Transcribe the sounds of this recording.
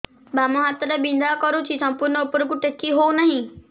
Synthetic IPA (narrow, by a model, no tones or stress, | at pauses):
bamɐ̃ɦat̪ɾəbĩnd̪ʱakəɾũt͡ʃʰisɐ̃mpuɾnəʊpɾkũʈekiɦonaɦĩ